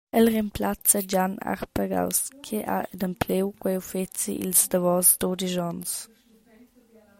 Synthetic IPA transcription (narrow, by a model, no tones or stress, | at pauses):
ɛlremplat͡səd͡ʒana̰ʁpəɡa̰wskʰeʔa̰ədəmpʰlewkwɛwfet͡sḭʔḭlzdəvɔzdodiʒɔns